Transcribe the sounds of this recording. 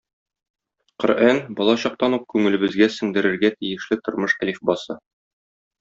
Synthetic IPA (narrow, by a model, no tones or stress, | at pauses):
qŏ̰ɾʔænbɒlˠɑɕɒq̚t̪ɑnup̚kʉŋɘ̆lɘ̆bɘ̆zɡæsɘ̆ŋd̪ɘ̆ɾɘ̆ɾɡæt̪ijɘ̆ʃlɘt̪ŏɾmɤʃælifbɑsɤ